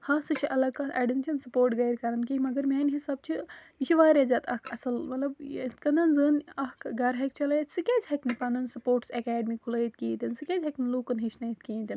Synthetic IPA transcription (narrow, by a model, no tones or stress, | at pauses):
haːsɨt͡ʃʰiʔɐlɐkɐʔɐ̰ɖint͡ʃɐnsɐpoːɾʈɡɐjɾʲkɐɾɐnkimɐɡɐɾmʲeːnɦisaːb̚t͡ʃʰi | iʃʰiʋaːɾʲɐzɐːt̪ʰɐkʰɐ̰sɐlmɐt̪lɐbet̪kɐnd̪ɐnzɨːnɐhkʰɡɐɾɦɐk̚t͡ʃʰɐlɐt̪sɨkʲeːzʲhɐknipɐnɨnsɐpoːʈsɐkaːɖmikʰulɐːjt̪̚kiːt̪ʲinsɨkʲezʲɦɐkniluːkɐnɦit͡ʃʰnɐjit̪̚kẽːnt̪ʲin